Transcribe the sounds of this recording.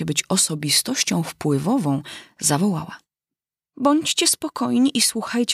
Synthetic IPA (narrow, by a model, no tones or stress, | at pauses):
ɛbɘt͡ɕɔsɔbʲist̪ɔɕt͡ɕɔ̃w̃fpwɘvɔvɔ̃w̃zavɔwawa | bɔɲt͡ɕt͡ɕɛspɔkɔjɲiʔiswuxajt͡ɕ